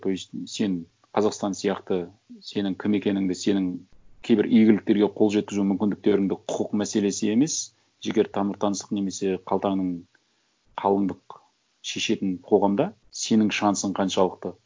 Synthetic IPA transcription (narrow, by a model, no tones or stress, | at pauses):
t̪ojse̞n | qʰɑzɑqst̪ɑnsijɑqt̪ə | se̞nɪŋkʲʰɪme̞kʲe̞nɪŋd̪ɪse̞nɪŋkʲʰe̞jbɪɾʔʏjɡʲɪlɪk̚t̪e̞ɾɡʲe̞qʰo̞lˠʒe̞t̪̚kʲɪzumʏmkʲɪnd̪ɪk̚t̪e̞ɾɪŋd̪ɪqʰʊ̥qəqmæse̞le̞sɪe̞me̞s | ʒe̞ɡʲe̞ɾt̪ʰɑməɾt̪ʰɑnəst̪ə̥qne̞me̞se̞qʰɑlˠt̪ɑŋnəɴ | qʰɑlˠəɴd̪əq | ʃe̞ʃe̞t̪ɪnqʰo̞ʁɑmd̪ɑ | se̞nɪŋʃɑnəsəɴqʰɑnʃɑlˠəq̚t̪ə